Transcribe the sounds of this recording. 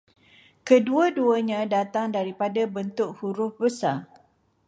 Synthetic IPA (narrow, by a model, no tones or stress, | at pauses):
kəduəduəɲãdat̪aŋdaɾipadabənt̪ʊk̚huɾʊhbəsa